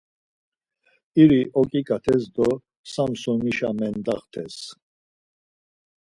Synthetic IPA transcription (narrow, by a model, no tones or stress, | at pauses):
iɾiʔɔkʼikʼat̪ʰɛsd̪ɔ | samsɔniʃamɛnd̪aχt̪ʰɛs